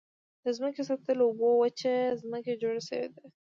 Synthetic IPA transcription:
d̪əzməkesɑxt̪əloubowət͡ʃezməked͡ʒoɽeʃəwḛd̪e

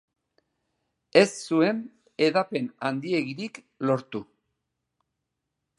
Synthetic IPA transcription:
e̞ssue̞n | e̞ðape̞nand̪ie̞ɣiɾik | lo̞ɾt̪u

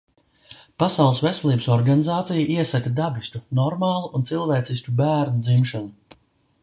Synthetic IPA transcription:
pasawlˠsvesɛlˠiːbəsɔɾɡanizaːt̪sijaʔiɛsakad̪abist̪unɔɾmaːlˠuʔunt̪silˠvɛːt̪sisʲkʲubæːɾnud̪zimʃanu

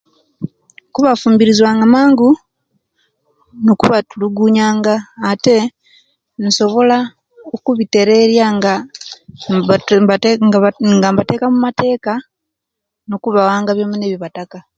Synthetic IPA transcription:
kuβafuːmbiɾizwaːŋɡamaːŋɡu | nokuβatuluɡuːɲaːŋɡaːte̞ | niso̞βo̞la | okuβite̞ɾe̞ɾjaŋɡa | ŋɡambate̞ːkamumate̞ːka | nokuβawaːŋɡaβjomune̞ːβiβataka

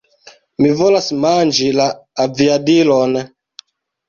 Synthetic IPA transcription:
mivolasmand͡ʒilaːviadilon

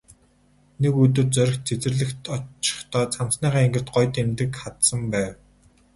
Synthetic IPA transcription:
nekɵt̪̬ɵ̆rt͡sœɾ̆ʲx̚t͡sʰet͡sɘ̆rɮɘ̆xt̪ʰɔt͡ɕɪ̥̆χt̪ʰɔːt͡samsniːʁaːeŋɡɘ̆r̥t̪ɢɔjt̪emt̪ɘ̆kχat̪sə̆mpæːw

